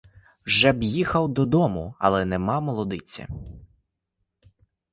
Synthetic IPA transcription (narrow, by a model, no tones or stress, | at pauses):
wʒɛbjixɐwd̪ɔd̪ɔmʊɐ̰lˠɛnɛmɑmɔlˠɔd̪ɪt͡sʲːɐ̰